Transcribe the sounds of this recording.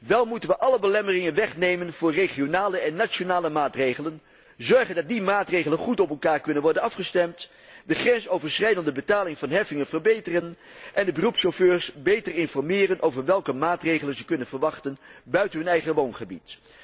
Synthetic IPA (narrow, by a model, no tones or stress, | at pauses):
ʋɛlˠmutənʋəʔɑləbəlɛmərɪŋənʋɛχnejmənv̥ʊːɹreχionaːləɛnːat͡ʃonaːləmaːtrejχələn | zɔɹχəndɑt̚dimaːtrejχələnχutɔpɛlˠkaːɹkɵnənʋɔɹdənɑfχəstɛmt | dəχrɛnsowvəɹsχrɛjdəndəbətaːlɪŋvɑnɦɛfɪŋənvəɹbejtərən | ʔɛndəbərupsoføːɹsbejtərɪnfɔɹmɪːrənʔowvəɹʋɛlˠkəmaːtrejχələnzəkɵnənvəɹʋɑχtənbœɥtənɦɵnɛjχəʋownχəbḭt